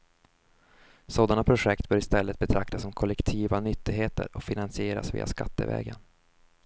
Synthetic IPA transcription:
soːd̪anapʰɾʊʂɛkt̪bœːɾɪst̪ɛlːət̪̚bɛt̪ʰɾak̚t̪asɔmkʰɔlːɛkt̪ʰiːvanʏt̪ːɪɡɦeːt̪ə̰ɾɔkfɪnansɪeːɾa̰svḭːa̰ska̰t̪ːə̰vɛ̰ːɡən

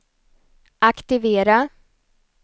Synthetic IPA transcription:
ʔakt̪ɪveːɾa

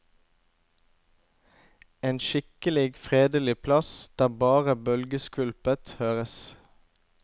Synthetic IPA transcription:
eːnʃɪkəlɪɡfʁeːd̪əlɪpʰlɑsd̪̥æːbɑːʁəbœlɡəskʉlpət̪høːʁəs

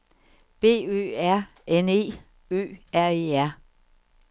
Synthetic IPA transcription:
b̥e̝̰ːø̰ːæɐ̰ | ene̝̰ː | ø̰ːæɐ̰eːæɐ̰

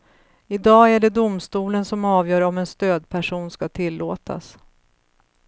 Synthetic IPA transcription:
ɪd̪ɑːæɖɛd̪ʊmst̪uːlənsɔmɑːvjœːɾɔmɛnst̪øːd̪̚pʰæʂuːnskat̪ʰɪlːoːt̪ʰa̰s

